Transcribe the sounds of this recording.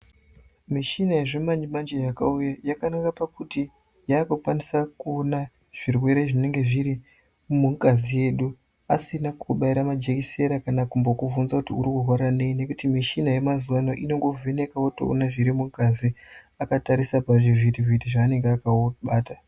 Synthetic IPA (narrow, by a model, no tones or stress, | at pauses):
miʃinajeʐemaɲimand͡ʒejakaujajakanakapakuti | jaːkokwanisakuona | ʐ̥irwe̞ɾe̞ʐine̞ŋɡe̞ʐiɾi | muŋkazije̞ɗu | asinakʰuɓaiɾamad͡ʒe̞kise̞ɾakanakumbokuvunzakutiuɾikurwaɾane̞ine̞kutimiʃinaje̞mazuwano̞ʔino̞ŋɡo̞vʱene̞kawoto̰o̰naʐiɾimuŋkazi | akataɾisapaʐivitivitiʐaːne̞ŋɡeakaɓaːta